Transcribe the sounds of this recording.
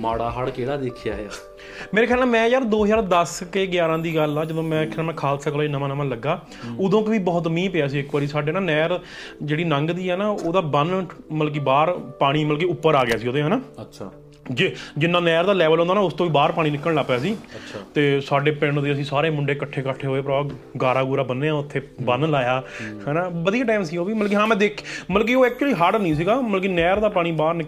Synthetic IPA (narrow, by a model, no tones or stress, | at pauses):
maːɽaːɦaɽkeːɽaːd̪eːkʰja̰ːɦea̰ː | meːɾeːkʰjaːlɛːmɛ̃ːjaːɾd̪oːɦəd͡ʒaːɾd̪əskeːɡjaːɾãːd̪iːɡəlaːd͡ʒəd̪õːmɛ̃ːkʰːmɛ̃ːkʰaːlt̪sək̪ːaːinəmãːnəmãːləɡːaː | ʊd̪õːkʋiːbɔːt̪mĩːpeːaːsiːɪkʋaːɾiːsaːɖeːnaːnɛːɾ | d͡ʒeːɽiːnəŋɡd̪iːɦɛːnaːoːd̪aːbənməlk̬iːbaːɾpaːɽ̃iːməlk̬eːʊpːəɾaːɡɪjaːsiːoːd̪eːɦaːnaːəa | d͡ʒed͡ʒɪnːãːnɛːɾd̪aːlɛːʋəlɦõnd̪aːnaːʊst̪õːʋiːbaːɾpaːɽĩːnɪkːəɽlaːpjaːsiːʃʰt̪eːsaːɖeːpɪɳd̪eːəsĩːsaːɾeːmʊɳɖeːkəʈʰːeːkəʈʰːeːɦoːeːpəɾːɡaːɾaːɡuːɾaːbənːeːãːʊt̪ʰːeːbənlaːjaːhɛːnãːbəd̪ijaːʈaːɪmsiːoːʋiːməlk̬iːɦãːmɛ̃ːd̪eːkʰːməlk̬iːoːɛːk̚t͡ʃuəliːɦaːɖnĩːs̬iɡaːməlkiːnɛːɾd̪aːpaːɽ̃iːbaːɾnɪk